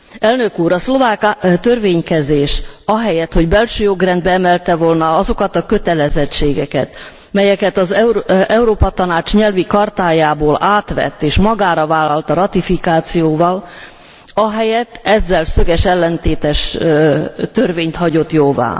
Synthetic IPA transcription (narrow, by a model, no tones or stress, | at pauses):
ɛlnø̞kuːɾɒslo̞vaːkt̪ø̞rveːɲkɛzeːʃɒɦɛjɛt̪ho̞ɟbɛlʃøːjoɡrɛnd̪̚bɛɛmɛlt̪ɛvolnɒɒzo̞kɒt̪ɒkø̞t̪ɛlɛzɛt͡ʃːeːɡɛkɛ̰t̪ | mɛjɛkɛt̪ɒzɛuɾoːpɒt̪ɒnaːt͡ʃɲɛlvikɒrt̪aːjaːboːlaːt̪ʋɛ̰t̪ːeːʃmɒɡaːɾɒvaːlːɒlt̪ɒɾɒt̪ifikaːt̪sijoːvɒl | ɒɦɛjɛt̪ːɛzːɛlsø̞ɡɛʃɛlːɛnt̪eːt̪ɛʃ | t̪ørveːɲt̪hɒɟo̞t̪joːva̰ː